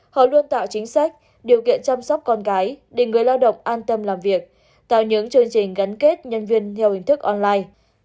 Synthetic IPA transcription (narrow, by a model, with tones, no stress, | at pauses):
hɔ̰˧˨lu˧ənt̪a̰ː˧˨wt͡ɕï˨˦ŋ̟sa˦˥jk̟̚ | ɗi˨˩əwkḭ˧˨ənt͡ɕa˧msɔ˦˥wk͡p̚kɔ˧nkaː˨˦jɗe˨˩ŋɨ˨˩əjlaː˧wɗə̰˧˨wŋ͡mʔaː˧nt̪ə˧mlaː˨˩mvi˨˩ək̚ | t̪a̰ː˧˨wɲɨ̰˧˥ŋt͡ɕɨ˧əŋt͡ɕï˨˩ŋ̟ɣa˨˦jŋke˦˥t̚ɲə˧nvi˧ənt̪ʰɛ˧whï˨˩ŋ̟t̪ʰɨ˦˥k̚ʔɔ˧nlaː˧j